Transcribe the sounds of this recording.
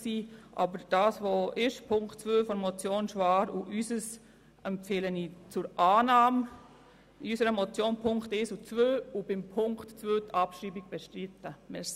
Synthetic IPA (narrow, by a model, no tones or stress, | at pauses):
siːʔɑ̰bəɾd̥ɑːsʋoʔɪʃpʰʊŋktt͡sʋøːfɔɾmɔt͡sjoːnʃʋɑːɾuʔysəs | ʔɛmpfɪlənit͡sʊɾʔɑːnɑːm | iysəɾəmɔt͡sjoːnpʰʊŋktɪsut͡sʋøːubɪmpʰʊŋktt͡sʋøːt̪ʰɑpʃɾiːbiɡ̥̚b̥ɛʃtɾitːəmɪːs